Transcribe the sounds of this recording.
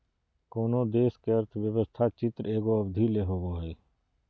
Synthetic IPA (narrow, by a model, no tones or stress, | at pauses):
koːnoːd̪eːskeəɾt̪ʰʋjəʋəst̪ʰat͡ʃɪt̪ɾeːɡoəbd̪ʱileːɦoːɡoːɦɛː